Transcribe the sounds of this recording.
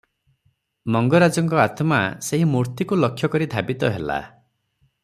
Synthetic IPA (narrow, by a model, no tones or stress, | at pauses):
mɔŋɡɔɾad͡ʒɔŋkɔat̪ʰmaseɦimuɾt̪ikulɔkʰːjɔkɔɾid̪ʱabit̪ɔɦela̰